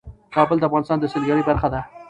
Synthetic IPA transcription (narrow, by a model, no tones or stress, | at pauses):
kɑbəld̪əafɣɑnɪst̪ɑnd̪əsɪlɡaɾijbaɾxad̪a